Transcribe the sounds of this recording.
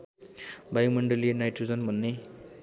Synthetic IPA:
bʱajumʌɳɖʌlienajʈrud͡zʌnbʱʌnːe

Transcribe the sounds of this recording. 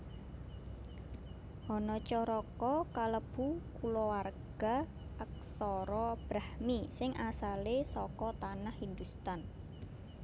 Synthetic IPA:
ʔɔnɔt͡ʃɔɾɔkɔkaləb̥ukulɔwarɡ̥a | ʔək̚sɔɾɔb̥ɾahmisɪŋʔasalesɔkɔt̪anahind̪ust̪an

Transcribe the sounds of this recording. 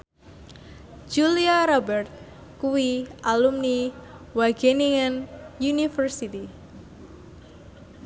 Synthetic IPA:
d͡ʒuliaɾɔbɛrt̪̚ | kuwiʔalumni | waɡeniŋanjunifərsit̪i

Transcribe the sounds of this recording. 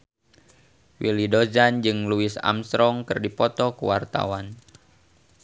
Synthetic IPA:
wilidozand͡ʒɨŋluɪsa̰mst̪ɾɔŋkɨrdipɔt̪ɔkṵwart̪a̰wan

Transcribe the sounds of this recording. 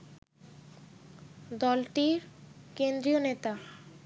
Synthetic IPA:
d̪ɔlʈiɾkend̪ɾionet̪a

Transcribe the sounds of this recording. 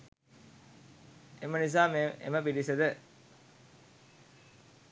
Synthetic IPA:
emənis̬aːmeḛməpiɖisəd̪ə

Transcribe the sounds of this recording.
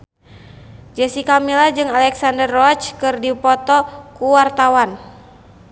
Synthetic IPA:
d͡ʒɛsikamilad͡ʒɨŋalɛksandərɔt͡ʃkɨrdipɔt̪ɔkuwart̪awan

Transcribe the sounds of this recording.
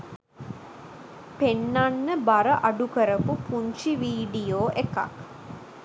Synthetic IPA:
penːanːəbaɾəʔaɖukəɾəpupuɲt͡ʃiʋiːɖijoːʔeka̰k

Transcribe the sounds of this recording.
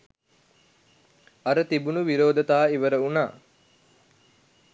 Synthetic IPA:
ɐɾət̪ibunuʋiɾoːd̪ɐt̪aːiʋəɾəuna̰ː

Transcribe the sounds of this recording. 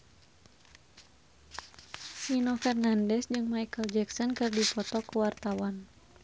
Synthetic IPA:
sinɔfɛrnandɛsd͡ʒɨŋmajkəld͡ʒɛksɔnkɨrdipɔt̪ɔkəwart̪awan

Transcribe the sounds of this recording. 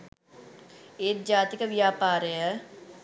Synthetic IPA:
eːt̪̚d͡ʒaːt̪ikəʋjaːpaːɾəjə

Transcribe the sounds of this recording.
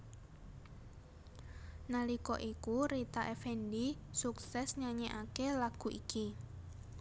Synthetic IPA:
nalikɔʔikuɾit̪aʔefendisuksɛsɲaɲeʔakelaɡ̥ṳʔiki

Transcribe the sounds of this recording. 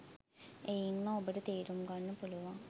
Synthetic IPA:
ejinmaobəʈət̪eːɾumɡanːəpuluʋaŋ

